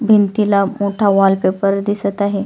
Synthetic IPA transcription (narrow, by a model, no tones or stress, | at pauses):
bʱint̪ilamoʈʰaʋalpepəɾd̪isət̪aɦe